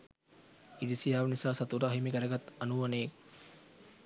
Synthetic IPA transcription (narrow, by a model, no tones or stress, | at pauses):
id̪isijaːʋɐnisaːsɐt̪uɾaɦimikɐɾɐɡɐt̪ːɐnuʋɐneː